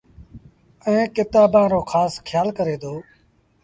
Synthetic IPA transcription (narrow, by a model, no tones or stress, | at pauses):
ɛ̃ːkɪt̪aːbãːɾoːkʰaːskʰjaːlkəɾeːd̪oː